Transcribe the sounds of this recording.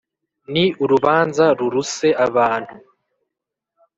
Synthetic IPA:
niuɾuβaːnzaɾuɾuse̞aβaːn̥hu

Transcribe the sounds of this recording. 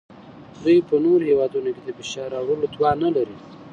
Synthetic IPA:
d̪ujpənoɾohewɑd̪unoked̪əbeʃɑɾɑwɾəlot̪wɑnalaɾi

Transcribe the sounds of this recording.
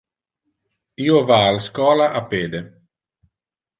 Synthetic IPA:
iːovaːlskɔːlaʔapeːd̪e

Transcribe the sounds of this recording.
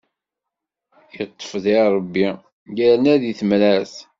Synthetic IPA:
jət̪ˤːə̥fðiɾˤəbːi | jæɾnæðiθəmɾæs

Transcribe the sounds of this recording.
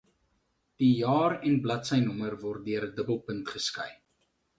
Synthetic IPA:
d̥ijɑːrɛnblɐtsəjnɔmərvɔrt̚dyəɾədəbəlˠpəntχəskɐj

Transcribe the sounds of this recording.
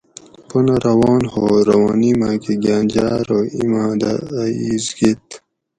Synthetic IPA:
punɐɾɐwɑːnhoːɾɐwanimaːkiɡaːnd͡ʑaːɾoimaːd̪a̰ːiːzɡit̪

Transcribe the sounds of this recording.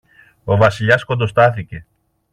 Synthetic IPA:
o̞vɐsiʎɐsko̞nd̪o̞st̪ɐθice̞

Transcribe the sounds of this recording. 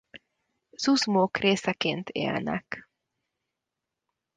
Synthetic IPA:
z̥uzmoːkreːsɛkeːnt̪ʰḛːlnɛ̰k

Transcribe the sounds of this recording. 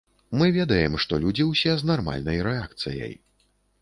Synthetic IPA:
mɨvʲɛd̪ɐjɛmʂt̪ɔlʲud͡zʲiwsʲɛznarma̰lʲnɐjɾɛak̚t̪sɨ̰jɐ̰j

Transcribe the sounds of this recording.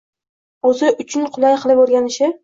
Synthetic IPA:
ɵzɪʔʊt͡ʃʰʊnqʰʊlˠajqʰɨlˠɪpoɾɡʲanɪʃɪ

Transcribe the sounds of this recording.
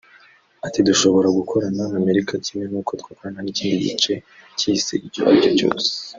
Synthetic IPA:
atiduʃo̞βo̞ɾaɡukʰo̞ɾanaame̞ɾikacimenuːkʰo̞t̪kwaːkoɾananicihiɟḭt͡ʃe̞cisḭiɟo̰βa̰ɟoco̞̰ːse̥

